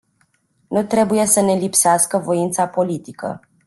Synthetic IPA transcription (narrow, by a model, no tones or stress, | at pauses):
nut̪ɾe̞buje̞səne̞lipseaskəvo̞int̪sapo̞lit̪ikə̰